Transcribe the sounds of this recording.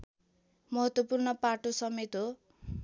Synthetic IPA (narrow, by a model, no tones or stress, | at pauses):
mʌɦʌt̪wʌpurnʌpaʈosʌmet̪ɦo